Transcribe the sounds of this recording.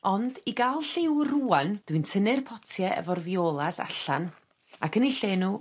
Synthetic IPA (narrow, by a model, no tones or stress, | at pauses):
ɔndiɡalˠɬɪwruːand̥wɨntʰənɨrpʰɔtʰjɛʔɛ̰vɔrvioːlˠasa̰ɬan | akʰəniɬeːnuː